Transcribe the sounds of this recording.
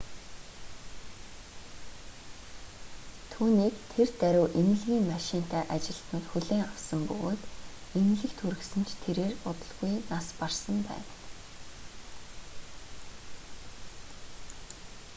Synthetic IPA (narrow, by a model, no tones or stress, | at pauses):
t̪ʰuːniːkt̪ʰert̪æɾʲʊːʔemɘ̆ɮɣʲiːŋmaʃɪn̥t̪æːʔat͡ɕɪ̆ɮt̪nʊːt̪xuɮeːŋawsə̆mpɵ̰ɣoːt̪em̆ɮɘ̆kt̪ʰuɾɘ̆ksɘ̆nt͡ɕʰt̪ʰeɾeːrʊt̪ə̆ɮɣujnasparsə̆mpæ̰ːn